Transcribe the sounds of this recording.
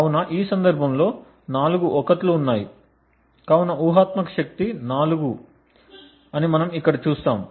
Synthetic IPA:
ɐwunɐʔiːsɐnd̪ɐɾbʱɐmlo̞ː | naːluɡuʔɔkɐt̪luunːaːji | kɐwunɐʔuːɦaːt̪mɐkɐ̥ʃɐk̚t̪inaːluɡu | ɐnimɐnɐmikːɐɽɐt͡ʃuːst̪aːm

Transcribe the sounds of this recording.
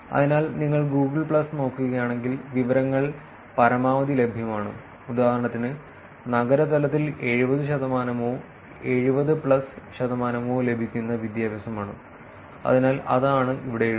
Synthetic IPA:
ɐ̰ðinaːlniŋːɐɭɡuːɡɨɭpɭɐsno̞ːkːuɣɐjaːɳe̞ŋɡilʋiʋɐɾɐŋːɐɭ | pɐɾɐmaːʋɐd̪ile̞bʱjɐmaːɳɨ̰ | ud̪aːɦɐɾɐɳɐt̪ːinɨ | nɐɡɐɾɐt̪ɐlɐt̪ːile̞ɻubɐðɨɕɐd̪ɐmaːnɐmoː | e̞ɻubɐðɨpɭɐsɕɐd̪ɐmaːnɐmoːle̞bʱikʲːunːɐʋid̪jaːbɐsɐmaːɳɨ | ɐ̰ðinaːlʔɐ̰ðaːɳɨʔiʋiɽe

